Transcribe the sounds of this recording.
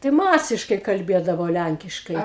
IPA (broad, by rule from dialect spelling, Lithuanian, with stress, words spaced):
tɐɪ ˈmɑːsʲɪʃkɐɪ kɐlʲˈbʲeːdɐʋoː ˈlʲæŋʲkʲɪʃkɐɪ